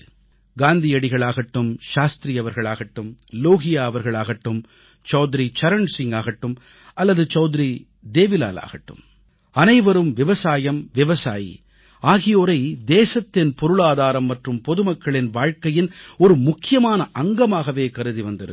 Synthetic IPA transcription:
ɡaːnd̪ɪjɐɽɪɣɐɭaːɣɐʈːɯmʃaːst̪ɾijɐʋɐɾɣɐɭaːɣɐʈːɯmloːɣɪjaːɐʋɐɾɣɐɭaːɣɐʈːɯm | t͡ʃɐːðɪɾit͡ʃɐɾɐɳsɪŋɡaːɣɐʈːɯm | ɐlːɐðɯt͡ʃɐːðɪɾi | d̪eːʋɪla̰ːla̰ːɣɐʈːɯ̰m | ɐnɐɪʋɐɾɯmʋɪʋɐsaːjɐmʋɪʋɐsaːjḭ | aːɣɪjoːɾɐɪd̪eːsɐt̪ːɪnpɔɾɯɭaːðaːɾɐmːɐʈrɯmpɔðɯmɐkːɐɭɪnʋaːɻkɐjɪnɔɾɯmʊkːɪjɐmaːnɐʔɐŋɡɐmaːɣɐʋeːkɐɾɯðiʋɐnd̪ɐðɯ̰

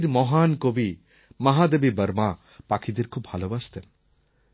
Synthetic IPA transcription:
ɾmɔɦankobi | mɐɦad̪ebibəɾma | pakʰid̪eɾkʰubbʱalobast̪en

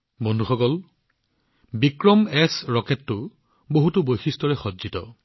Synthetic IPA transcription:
bɔndʱuxɔkɔl | bikɹɔmɛsɹɔkɛtːʊ | boɦutubojxistɔɹɛxɔdzitɔ̰

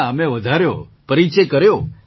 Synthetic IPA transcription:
əmeʋəd̪ʱaɾjo̰pəɾit͡ʃekəɾjo

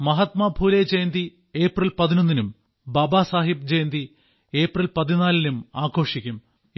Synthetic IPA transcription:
mɐɦɐt̪mɐbʱuːled͡ʑejnd̪i | e̞ːprɐlpɐðinonːinum | bɐbaːsaːɦib̚d͡ʑejnd̪i | e̞ːprɐlpɐðinaːlinumaːkʰo̞ːʂikʲːum

